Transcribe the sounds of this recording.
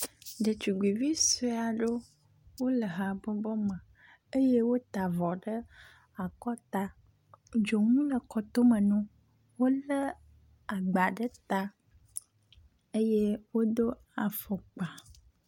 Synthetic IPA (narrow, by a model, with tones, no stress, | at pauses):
ɖə˨t͡ʃu˨ɡ͡bi˨vi˦se˦a˨ɖo˦ | wo˦lə˨ɦa˨bɔ˦bɔ˦mə̃˨ | e˦je˦wo˦t̪a˨vɔ˨ɖə˦ | a˨kɔ˦t̪a˦ | d͡ʒo˨ŋũ˦lə˨kɔ˨t̪o˦mə̃˨nũ˦ | wo˦lə˦ | a˨ɡ͡ba˨ɖə˦t̪a˦ | e˦je˦wo˦d̪o˦ | a˨fɔ˨k͡pa˨